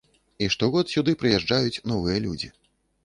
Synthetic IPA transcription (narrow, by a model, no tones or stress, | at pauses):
iʂt̪ɔɣɔt̪sʲud̪ɨpɾɨjɛʐd͡ʐajut͡sʲnɔvɨjɐlʲud͡zʲi